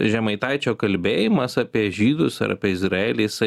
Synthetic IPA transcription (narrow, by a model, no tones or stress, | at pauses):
ʒʲɛmɐɪt̪ɐɪt͡ʃʲoːkɐlʲbʲeːjɪmɐsɑpʲiɛʒʲiːd̪ʊsɐ̰ɾɐ̰pʲiɛɪzɾɐeːlʲiːsɐ